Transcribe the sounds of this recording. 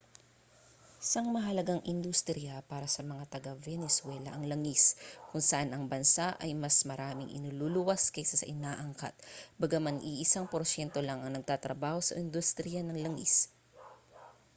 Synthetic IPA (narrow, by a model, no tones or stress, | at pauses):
sɐŋmɐɦɐlɐɡaŋʔɪnd̪ust̪ɾɪjapaːɾɐsɐmɐŋat̪ɐɡavɛnɛswɛlɐʔɐŋlɐŋiskʊŋsɐʔanɐŋbɐnsaʔɐjmɐsmɐɾaːmɪŋʔɪ̰nululʊwaskɐjsasɐ̰ʔɪnaːʔɐŋka̰t̪̚bɐɡamanʔɪʔɪsaŋpoɾsɛnt̪olɐŋɐŋnɐɡ̚t̪at̪ɾɐbaːho̞sɐ̰ʔɪnd̪ust̪ɾijanɐŋlɐŋḭs